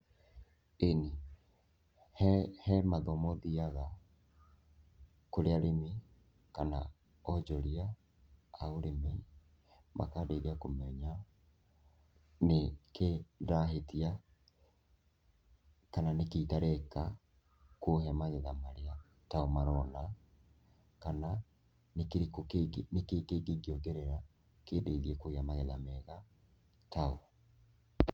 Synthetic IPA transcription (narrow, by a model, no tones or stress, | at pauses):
eni | hɛhɛmaðɔmɔðiaɣa | koɾeaɾemi | kana | ɔd͡ʒɔɾia | aoɾeme | mʔa̰kadeɾiakomɛɲa | nekeɾaɦetia | kananekeitaɾɛka | koɦɛmaɣɛðamaɾea | taomaɾɔna | kana | nekeɾnekeɡeɡiːɡioɡeɾeɾa | keːdeiðiɛkoɣeamaɣɛðamɛɣa | tao